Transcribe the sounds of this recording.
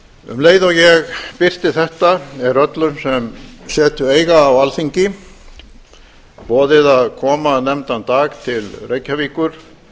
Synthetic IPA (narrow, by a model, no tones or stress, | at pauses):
ʏ̰mleːjðɔɣjɛɣpɪr̥t̪ɪθɛht̪aɛɾœt̪lʏmsɛmsɛːt̪ʏeːjɣaːwalθiɲcɪ | pɔːðɪðaðkʰɔːmanɛmt̪ant̪aːɣt̪ʰɪlreːjcːaviːkʏɾ̥